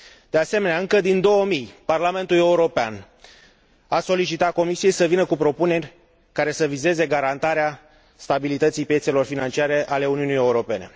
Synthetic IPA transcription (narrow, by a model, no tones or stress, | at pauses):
d̪̥e̞ase̞me̞neaɨŋkəd̪ind̪o̞wəmijparlame̞nt̪ule̞uɾo̞pea̰n | aso̞lit͡ʃit̪ako̞misije̞jsəvinəkupɾo̞pune̞rʲ | kaɾe̞səvize̞ze̞ɡaɾant̪aɾea | st̪abilit̪ət̪sijpjese̞lo̞rfinant͡ʃiaɾe̞ʔale̞uniunije̞uɾo̞pe̞ne̞̰